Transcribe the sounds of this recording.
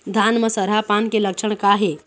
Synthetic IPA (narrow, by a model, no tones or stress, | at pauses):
d̪ʱanməsəɾɦapankeləkʃʰəɳ̃kaɦe